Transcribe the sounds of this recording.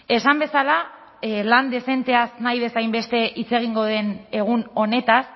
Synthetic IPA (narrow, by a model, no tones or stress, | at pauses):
e̞sambesala | land̪e̞se̞nt̪e̞asnajβe̞sajmbe̞st̪e̞ʔit͡se̞ɣ̞iŋɡo̞ðe̞ne̞ɣ̞uno̞ne̞t̪as